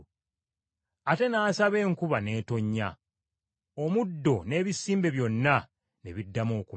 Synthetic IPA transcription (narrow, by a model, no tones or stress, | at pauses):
ate̞naːsaβe̞ːŋkuβane̞ːto̞ɲːa | omudːo̞ne̞ːβisːiːmbe̞βjo̞nːa | nḛβidːamo̞ːku